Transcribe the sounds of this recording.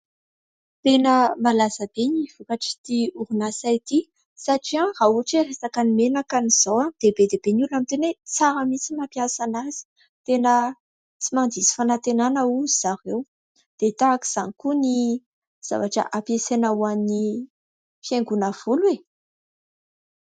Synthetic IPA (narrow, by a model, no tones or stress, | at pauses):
t̪enəmalasəbeniv̥ukaʈ͡ʂi̥t̪iuɾunasait̪i | saʈ͡ʂiãrauaʈ͡ʂeresakanimenakaniz̥owad̪̥ebed̪ebenulamit̪enet͡saɾəmisimapjasanaz̥i̥ | t̪enə | t͡simand̪izi̥fanat̪enanəuizaɾew | d̪̥et̪aki̥z̥anikuni | z̥a̰vaʈ͡ʂa̰ʔapjesenawani | fjeŋɡunəv̥ulwe